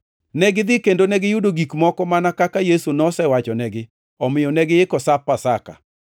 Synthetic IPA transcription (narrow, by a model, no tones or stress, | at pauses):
nɛɡɪd̪ɪkendonɛɡɪjudoɡikmɔkɔmanakakajesunɔsɛwat͡ʃɔnɛɡɪ | ɔmɪjɔnɛɡɪɪkɔsapːasaka̰